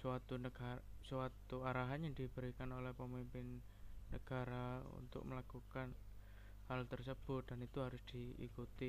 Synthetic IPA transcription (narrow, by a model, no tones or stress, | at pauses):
swat̪unəɡasuat̪uaɾaɦaɲadibəɾikanolɛhpəmimpɪnː | əɡ̥a̤ɾaṵnt̪ʊ̰k̚məlakukan | halt̪ərs̬əb̥ʊt̪̚danit̪uɦaɾʊsd̪̥iḭkut̪i